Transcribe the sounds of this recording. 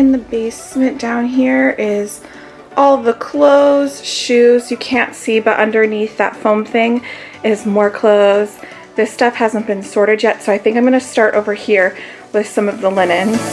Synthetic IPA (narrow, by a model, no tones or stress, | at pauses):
ɨ̃nðɨbeɪsmɨ̃nd̥ãʊ̃nɦiɹɪz̥ | ʔɔlˠðəkʰl̥oʊz̥ʃʉzjɨkʰæ̃ntsibʌɾʔʌ̰̃ndə˞niθðə̰tfõʊ̃mθɪ̃ŋ | ɪzmɔɹkʰl̥oʊz | ðɪstʌfhæzə̃nb̥ɨ̃nsɔɹɾɨdjɛtsoʊaɪθɪ̃ŋkãɪ̃mɡʌ̃nɨstɑɹɾʔo̰ʊvə˞hiɹ | wɨð̥sʌ̃mʌvðəlɪ̃nɨ̃nz̥